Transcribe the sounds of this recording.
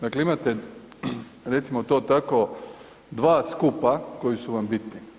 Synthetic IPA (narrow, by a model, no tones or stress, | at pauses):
d̪akleimat̪e | ɾe̞t̪simot̪oːt̪ako | d̪ʋaːskupako̞jisuʋambit̪ni